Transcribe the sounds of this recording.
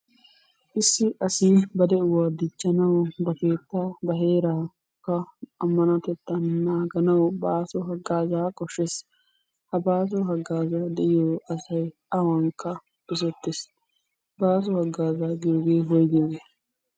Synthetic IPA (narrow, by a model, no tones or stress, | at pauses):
ʔɪsːɪʔɐsɪbɐd̪ɛʊwaːd̪ɪt͡ʃːɐnɐwbɐke̞ːt̪ːabɐɦe̞ːɾaː | kːɐɐmːɐnat̪ɛt̪ːɐnnaːɡɐnɐwbaːsɔɦɐɡːaːzaːkʼɔʃːes | hɐbaːs̬ɔɦɐɡːaːzaːd̪ɛʔɪjoːʔɐsɐj | ɐwɐŋkːɐ | ɪs̬ɔt̪ːes | baːs̬ɔhɐɡːaːzaːɡɪjɔɡeːɦɔjɡiɡeː